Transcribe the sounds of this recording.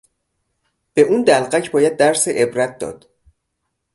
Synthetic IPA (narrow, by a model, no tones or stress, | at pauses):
b̥e̞ʔuːnd̪ælɢæcʰbɒːjæd̪̚ːæɾseʔebɾæt̪̚d̪ɒ̰ːd̪̥